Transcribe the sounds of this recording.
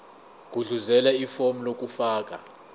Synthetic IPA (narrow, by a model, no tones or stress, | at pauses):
k̬ʼuɮuzɛlɛifom̩lok̬ʼufaːk̬ʼa